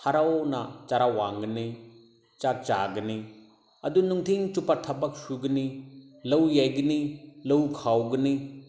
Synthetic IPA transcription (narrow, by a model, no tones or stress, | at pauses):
hʰaɾawnat͡ʃaɾawaŋɡɐni | t͡ʃak̚t͡ʃaɡɐni | ɐdunuŋtʰiŋt͡ʃupatʰɐbak̚suɡɐnilɐwjajɡɐnilɐwkʰawɡɐni